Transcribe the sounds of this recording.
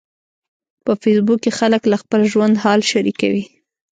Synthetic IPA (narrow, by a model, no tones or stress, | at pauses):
pəfesbukexaləklaxpəlʒwand̪hɑlʃaɾika̰wi